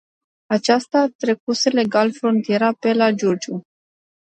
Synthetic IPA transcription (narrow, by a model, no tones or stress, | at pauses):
at͡ʃast̪aːt̪ɾe̞kusele̞ɡalfɾo̞nt̪ije̞ɾape̞lad͡ʒord͡ʒu